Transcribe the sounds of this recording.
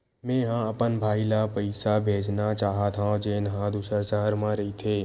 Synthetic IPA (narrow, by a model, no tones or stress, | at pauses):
mɛ̃ːɦãɐpənbʱaːilapəɪsabʱeːd͡ʒnat͡ʃaːɦat̪ʰãd͡ʒeːnɦãd̪uːsəɾsəɦəɾmãɾɐɦit̪ʰeː